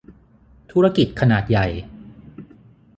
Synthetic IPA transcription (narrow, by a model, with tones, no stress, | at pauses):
t̪ʰuː˦˥ɾa˧˥ki˨˩t̪̚kʰa˧naː˨˩t̪̚ja˨˩j